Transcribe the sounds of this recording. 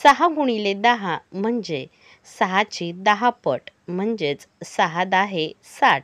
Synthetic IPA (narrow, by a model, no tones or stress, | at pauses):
saɦaɡuɽ̃iled̪aɦam̤əɳd͡ʑe | səɦat͡ɕid̪aɦapəʈ | m̤əɳd͡ʑet͡ssaɦad̪aɦe | saʈ